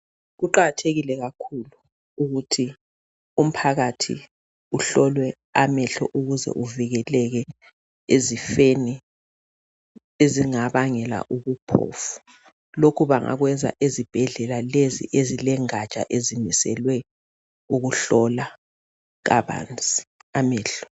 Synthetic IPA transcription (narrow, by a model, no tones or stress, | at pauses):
ɣuǃaɣatʰeɣilɛɣakʰulu | uɣutʰi | um̩pʰaɣatʰḭ | uɬɔlwɛ | amɛɬɔʔuɣuzɛ̰ʔuviɣɛlɛɣɛ | ezifeni | eziŋaβaŋɛla̰ʔuɣupʰɔ̰fu̥ | lokʰuβaŋʔa̰ɣwɛnd͡zʱa̰ʔezib̥ʱɛɮɛlalezḭʔezilɛŋat͡ʃʼa̰ʔezimisɛ̰lwɛ | uɣuɬɔla | ɣaβa̰ːnd͡zʱʼiamɛːɬɔ̥